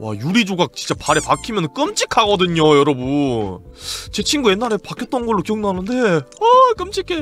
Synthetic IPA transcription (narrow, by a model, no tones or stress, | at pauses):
wa̰juɾid͡ʑoɡak̚t͡ɕint͡ɕ͈apaɾepakʰimjʌnɯnk͈ɯmt͡ɕ͈ʰikʰaɡʌdɯɲojʌɾʌbu | t͡ɕe̞t͡ɕʰinɡuje̞nːaɾe̞pakʰjʌt͈̚ʌnɡʌɭːokijʌŋdoɦanɯnde̞ʌk͈ɯmt͡ɕʰikʰe